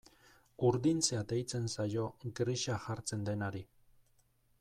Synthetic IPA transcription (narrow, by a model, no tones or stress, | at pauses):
uɾðint͡sead̪e̞jt͡se̞nsajo̞ɡɾiʃaxaɾt͡se̞nd̪e̞naɾi